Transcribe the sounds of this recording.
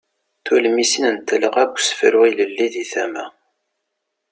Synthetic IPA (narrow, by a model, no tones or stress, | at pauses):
θulmisinənt̪ːələʁæɡʷsə̥fɾʊiləlːiðiθæmæ̰